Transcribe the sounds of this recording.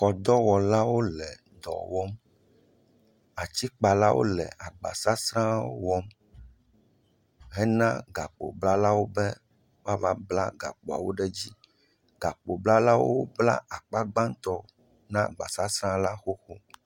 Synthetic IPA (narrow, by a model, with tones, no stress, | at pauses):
xɔ˨d̪ɔ˦wɔ˨la˦wo˦lɛ˨ | d̪ɔ̰˨wɔ˦m | a˨t͡ɕi˦k͡pa˨la˦wʔo̰˦lɛ̰˨a˨ɡ͡ba̰˨sa˦sɾã˦o̰˦wɔ˦m | ɦɛ˦nã˦ɡa˨k͡po̰˨bla˦la˦wo˦bɛ˦ | wa˦va˦bla̰˦ɡa̰˨k͡po˨a̰˨wo˦ɖɛ˦d͡ʑi˦ | ɡa˨k͡po˨bla˦la˦wo˦bla̰˦ʔa˨k͡pa˦ɡ͡bã˦ŋ˦t̪ɔ˦ | nã˦ɡ͡ba˨sa˦sɾã˦la˦xo˦xo˦